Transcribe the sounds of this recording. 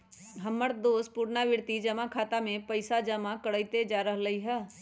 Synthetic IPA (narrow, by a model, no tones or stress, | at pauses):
ɦəmːəɾd̪oːspuːɾnaʋɪɾt̪id͡ʒəmãkʰaːt̪amẽpəɪsad͡ʒəmãkəɽəːit̪ed͡ʒaːɾəɦləiɦɛː